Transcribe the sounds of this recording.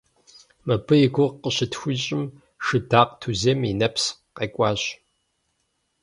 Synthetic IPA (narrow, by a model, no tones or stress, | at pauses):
mɐbɨjiɡʷʊʁqəɕɪtxʷʊɕʼɪm | ʂɨdaːqtʰuzeːminɐps | qeːkʷʼɑːɕ